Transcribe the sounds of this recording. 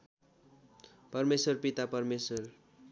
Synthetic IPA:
pʌrmeswʌrpit̪apʌrmeswʌr

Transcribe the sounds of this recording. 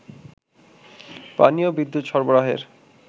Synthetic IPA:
pa̰niobid̪ːut̪ʃɔɾboɾaɦḛɾ

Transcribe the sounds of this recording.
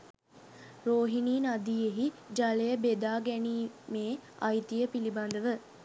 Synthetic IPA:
ɾoːɦiniːnad̪iːeɦid͡ʒalejəbed̪aːɡæniːmeːɐjt̪ijəpiliband̪əʋə

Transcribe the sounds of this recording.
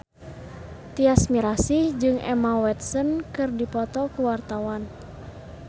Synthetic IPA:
t̪iasmiɾasid͡ʒɨŋʔɛ̰mawɛt̪̚sənkɨrdipɔt̪ɔkuwart̪awan

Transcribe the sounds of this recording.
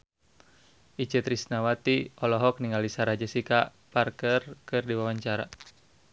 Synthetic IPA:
ʔit͡ʃɛt̪ɾisnawat̪iɔlɔɦɔk̚niŋalisaɾad͡ʒɛsika | parkərkɨrdiwawaɲt͡ʃaɾa̰

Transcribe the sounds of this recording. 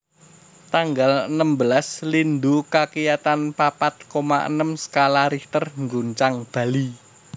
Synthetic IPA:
t̪aŋɡalənəmbəlaslind̪ukakijat̪anpapat̪̚komaʔə̰nəmsə̥kalaɾit̪ərŋɡuɲt͡ʃaŋb̥ä̤li

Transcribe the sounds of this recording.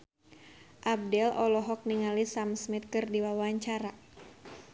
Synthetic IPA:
ʔab̚dɛlɔlɔɦɔk̚niŋalisamsmit̪̚kɨrdiwawaɲt͡ʃaɾa

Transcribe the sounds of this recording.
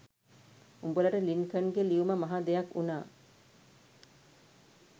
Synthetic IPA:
umbolɐʈɐliŋkɐŋɡeliumɐmɐɦad̪ejɐkunaː

